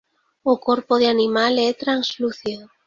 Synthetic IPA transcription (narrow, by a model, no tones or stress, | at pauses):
ʊkoɾpʊðeanimalɛt̪ɾansluθiðo